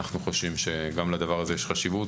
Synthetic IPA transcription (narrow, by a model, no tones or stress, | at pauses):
aχnuχoʃvimʃe̞ɡamlad̪avaʁazejeʃχaʃivut